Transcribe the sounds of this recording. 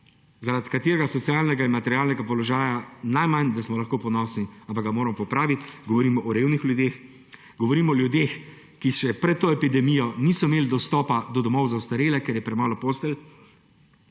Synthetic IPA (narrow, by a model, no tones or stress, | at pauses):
zaɾat̪kat̪eːɾɛɡasɔt̪sjaːlnɛɡainmat̪ɛɾijaːlnɛɡapɔlɔʒaːjanajmand̪asmɔlaxkoːpɔnɔːsniampaɡamoːɾamɔpɔpɾaːʋit̪ʲɡɔʋɔɾiːmɔʔɔɾeːwnixlʲjud̪ex | ɡɔʋɔɾiːmɔɔljud̪eːx | kiʃɛpɾɛt̪ːoːɛpid̪ɛmijɔnisɔimeːlid̪ɔst̪ɔːpad̪ɔd̪ɔmɔwzawst̪aɾeːlɛkɛɾjɛpɾɛmaːlɔpost̪ɛl